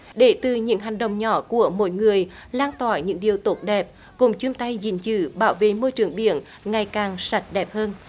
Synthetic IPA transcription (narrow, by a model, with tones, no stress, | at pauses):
ɗe˧˩t̪ɨ˨˩ɲɨ̰˧˥ŋɦa˨˩jŋ̟ɗə̰˧˨wŋ͡mɲɔ̰˧˦ku˧˩əmo̰˧˥jŋɨ˨˩əj | laː˧nt̪aː˧˩jɲɨ̰˧˥ŋɗi˨˩əwt̪o˨˦˥t̚ɗɛ˨˩p̚ | kʊ̰˧˥ŋ͡mt͡ɕu˧əmt̪a˧jzi˧˩ŋzɨ̰˧˥ɓaː˧˦wvḛ˧˨mo˧jt͡ɕɨ˨˧˩əŋɓḭ˧˨ən | ŋa˨˩jkaː˨˩ŋsa˨˩˥t̚ɗɛ˨˩p̚həː˧n